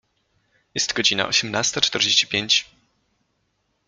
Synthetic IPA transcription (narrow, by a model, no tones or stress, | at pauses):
jɛst̪ɡɔd͡ʑina̰ʔɔɕɛmnast̪at͡ʂt̪ɛɾd͡ʑeɕt͡ɕi̥pʲjeɲt͡ɕ